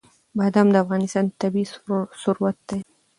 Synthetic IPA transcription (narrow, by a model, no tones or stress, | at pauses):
bɑd̪amd̪əafɣɑnɪst̪ɑnt̪abisʊɾuwat̪̚d̪ej